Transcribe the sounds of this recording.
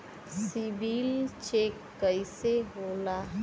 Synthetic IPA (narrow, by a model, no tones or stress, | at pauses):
sibilt͡ʃekːəiseɦola